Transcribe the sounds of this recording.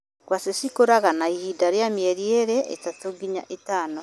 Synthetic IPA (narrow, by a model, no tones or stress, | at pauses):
kwasesikoɾaɣanaihidaɾjamjeɾieɾɛʔḛtatoɡiɲa̰ʔetaːno